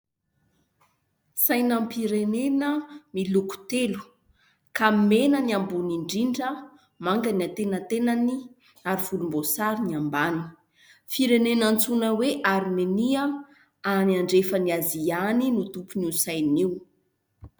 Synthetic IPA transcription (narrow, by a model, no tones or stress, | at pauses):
sajnampiɾenenəmiluku̥t̪elu̥ | kamenəniambuniɳɖ͡ʐiɳɖ͡ʐə | maŋɡəniat̪enət̪enani | aɾiv̥ulumbosaɾiniambanii̥ | fiɾenenant͡sunəweʔaɾmeniə | aniaɳɖ͡ʐefəniazianinut̪upunisajniw